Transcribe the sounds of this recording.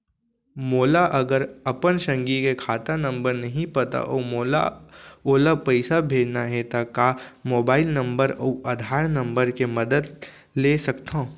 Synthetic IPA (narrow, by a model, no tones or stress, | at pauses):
moːlaʔɐɡəɾɐpənʃɐ̃ŋɡikekʰaːt̪anɐ̃mbəɾnɐɦĩpɐt̪a̰ʔoːmoːla̰oːlapəɪsabʱeːd͡ʒnaɦɛt̪akamoːbaːɪlnɐ̃mbəɾɔ̰ɐd̪ʱaːɾnɐ̃mbəɾkemɐd̪əd̪ | leːsɐkt̪ãː